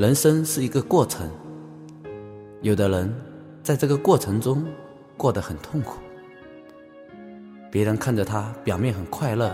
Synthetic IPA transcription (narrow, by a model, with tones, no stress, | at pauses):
ɻə˧˥nʂə˥nʂɻ̩˥˩i˧˥ɡə˧kwɔ˥˩ʈ͡ʂʰə̰˧˥ŋ | jo˨˩ʊd̪ə˦ɻə˧˥n | t͡sa˥˧ɪʈ͡ʂɤ˥˩ɡə˨kwɔ˥˩ʈ͡ʂʰɤ˧˥ŋʈ͡ʂʊ˥ŋ | kwɔ˥˩d̪ə˩˦xə˨˩nt̪ʰʊ˥˩ŋkʰu̥˨˦ | pjɛ˧˥ɻə˧˥nkʰa˥˩nʈ͡ʂə˨˩t̪ʰa˥pjɑ˨˩ʊmjɛ˥˩nxə˨˩nkʰwa˥˧ɪlɤ˥˩